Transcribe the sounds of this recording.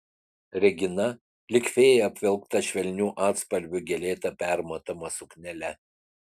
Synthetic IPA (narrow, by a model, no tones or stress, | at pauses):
ɾʲɛɡʲɪnɐ | lʲɪkʲʋʲeːjɛɐpʲʋʲɛlˠkt̪ɐʃʲʋʲɛlʲnʲuːʔɑːt̪spɐlʲbʲʊɡʲɛlʲeːt̪ɐpʲæˑɾmɐt̪ɐmɐsʊknʲɛlʲɛ